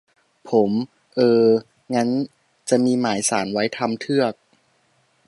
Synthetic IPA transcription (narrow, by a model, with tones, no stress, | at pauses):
pʰo˩˦m | ʔɤː˧ | ŋa˦˥n | t͡ɕa˨˩miː˧maː˩˦jsaː˩˦nwa˦˥jt̪ʰa˧mt̪ʰɯ˥˩ɐək̚